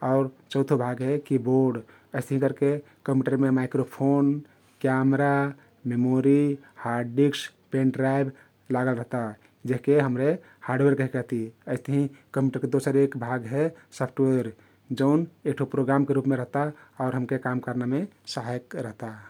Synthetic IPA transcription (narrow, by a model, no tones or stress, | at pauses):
ɔʊɾt͡ʃəʊt̪ʰobʱaɡɦɛkiboɾɖ | əɪst̪əɦĩkəɾke | kəmjuʈəɾmemaɪkɾopʰon | kjamɾa | memoɾi | haɾɖiks | pẽɳʈɾajb | laɡəlɾəɦt̪a | d͡ʒeɦkeɦəmɾe | haːɾɖweɾkəɦikəɦt̪iəɪst̪əɦĩkəmjuʈəɾked̪osəɾekbʱaɡɦɛsɔpʰʈweɾ | d͡ʒəʊnek̚ʈʰopɾoɡɾamkeɾupmeɾəɦt̪aɔʊɾɦəmkekamkəɾnamesaɦjkɾəɦt̪a